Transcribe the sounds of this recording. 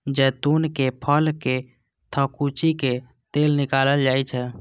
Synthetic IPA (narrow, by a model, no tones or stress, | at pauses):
d͡ʒɛt̪unkepʰəlke | t̪ʰəkut͡ʃike | t̪elnikaləld͡ʒajt͡ʃʰɛ